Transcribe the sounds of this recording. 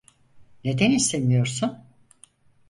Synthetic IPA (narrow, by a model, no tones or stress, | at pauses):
ne̞d̪enisemijoɾsun